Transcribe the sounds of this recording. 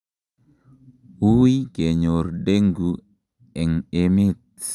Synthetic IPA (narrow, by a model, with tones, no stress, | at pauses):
u˦i˦ke˨ɲo˨rde˦ŋɡu˨ | ɛ˨ŋe˦me˦t̪̚